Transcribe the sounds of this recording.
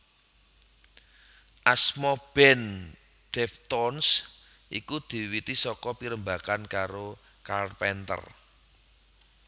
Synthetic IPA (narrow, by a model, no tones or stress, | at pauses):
ʔasmɔb̥ɛn | d̥ɛft̪ɔns | ʔḭkud̪̥i̤wit̪isɔkɔpiɾəmbakankaɾo | kalpɛnt̪ə̰r